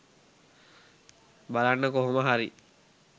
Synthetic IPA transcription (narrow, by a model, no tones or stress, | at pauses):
balanːəkoɦoməɦaɾi